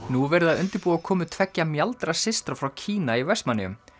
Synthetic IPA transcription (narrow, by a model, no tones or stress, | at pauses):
nuvɛːɾɪðaðʏnt̪ɪɾpuːakʰɔːmʏt̪ʰvɛcːamjalt̪ɾasɪst̪ɾafɾawcʰiːnaivɛst̪manɪʏ̰m